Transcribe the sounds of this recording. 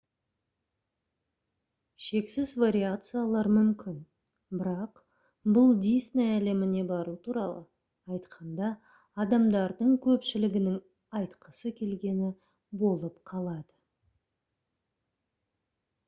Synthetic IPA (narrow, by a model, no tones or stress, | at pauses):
ʃe̞ksɪzvaɾʲiat̪sɨjalˠɑɾmʏmkʲɪn | bɪɾɑq | bʊlˠd̪ijsneæle̞mɪne̞bɑɾut̪ʰuɾɑ̰lˠə̰ | ɑjt̪qʰɑnd̪ɑː | d̪ɑmd̪ɑɾd̪əɴkʲʰɵpʃɪlɪɡʲɪnɪŋ | ɑjt̪qʰəsəkʲʰe̞lɡʲe̞nɪ | bo̞lˠəpqʰɑlˠɑd̪ə